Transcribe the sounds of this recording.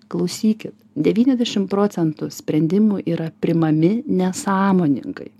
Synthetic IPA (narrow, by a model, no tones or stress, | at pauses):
klˠɐʊsʲiːkʲɪt̪d̪ʲɛʋʲiːnʲɛzʲd̪ʲɛʃʲɪmpɾoːtsʲɛnt̪ʊsʲpʲɾʲɛnʲd̪ʲɪmʊʔiːɾɐpʲɾʲɪmɐmʲɪnʲɛsɑːmoːnʲɪ̰ŋkɐ̰ɪ